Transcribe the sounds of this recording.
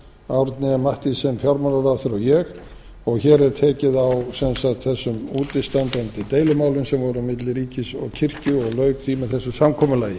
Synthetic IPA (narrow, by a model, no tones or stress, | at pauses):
awɾt̪nɪamaht̪ɪsɛmfjawɾmanaɾatθʏɾawjɛx | ɔɣçɛːɾɛɾ̥t̪ʰɛːcɪðawsɛnsat̪θɛsːʏmuːt̪ɪst̪antpɛnt̪ɪt̪eːjlʏmaːwlʏnsɛmvɔɾʏmɪt̪lɪɾiːcɪsɔɣcʰɪr̥cʏɔɣlœɥk̚t̪ʰiːmaθɛsːʏsamkʰɔːmʏlaːjɪ